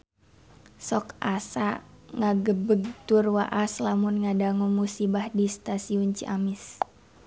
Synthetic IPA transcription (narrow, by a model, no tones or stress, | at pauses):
sɔkʔasa | ŋaɡəbəɡ̚t̪urwaʔaslamunŋadaŋumusibahdist̪asiunt͡ʃiʔamɪs